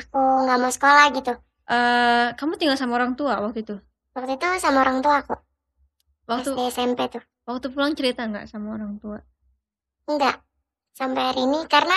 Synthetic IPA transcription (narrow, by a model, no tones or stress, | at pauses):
akuŋɡamasə̥kolahɡit̪u | ʔəːkamut̪iŋɡalsamaoɾaŋt̪uawak̚t̪ut̪u | wak̚t̪uit̪usamaoɾaŋt̪uaku | wakt̪usampɛt̪u | wak̚t̪upulaŋt͡ʃəɾit̪aŋɡa̰ʔsamaoɾaŋt̪ua | ndaʔ | sampaaɾinikarna